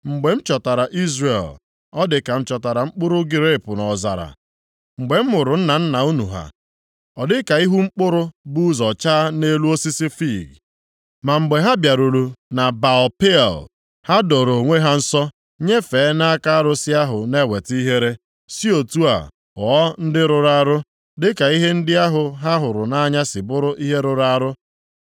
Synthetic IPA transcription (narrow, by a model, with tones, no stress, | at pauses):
ŋ͡m̩˨ɡ͡be˨m̩˦t͡ʃɔ˨ta˨ɾa˨ʔi˦zɾe˨l | ɔ˦dɪ˨ka˨m̩˦t͡ʃɔ˨ta˨ɾa˨ŋ͡m̩˦k͡pʊ˦ɾʊ˦ɡɪ˨ɾe˦˨pʊ˨nɔ˨za̰˨ɾa̰˨ | ŋ͡m̩˨ɡ͡be˨m̩˦mʊ˨ɾʊ˨n̩˦na˨n̩˦na˨u˦nu˨ɦa̰˨ | ɔ˨dɪ˦ka˨i˦ɦu˦ŋ͡m̩˦k͡pʊ˦ɾʊ˦bu˦zɔ˨t͡ʃaː˦ne˦lu˦o˦si˦si˦fi˦˨ɡ | ma˨ŋ͡m̩˨ɡ͡be˨ɦa˦bja˨ɾo˨ɾu˨na˨ba˨ɔ˨pḛ˦˨l | ha˦dɔ˨ɾo˨ŋʷe˦ɦa˦n̩˦sɔ˦ | ɲe˦feː˨˦na˦ka˦a˦ɾʊ˦sɪ˦a˦ɦʊ˨ne˦˨we˨ti˦ɦe˦ɾe˦ | si˦o˨tu˦a̰˨ | ɔ˨˦n̩˦dɪ˦ɾʊ˨ɾa˦ɾʊ˦ | dɪ˦ka˨i˦ɦe˦n̩˦dɪ˦a˦ɦʊ˨ɦa˦ɦʊ˨ɾʊ˨na˦ɲa˦sɪ˨bʊ˦ɾʊ˦ʔi˦ɦe˦ɾʊ˨ɾa˦ɾʊ˦